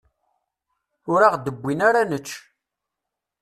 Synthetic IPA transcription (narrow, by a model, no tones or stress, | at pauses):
ʊɾaʁd̪əbʷːinaɾanət͡ʃː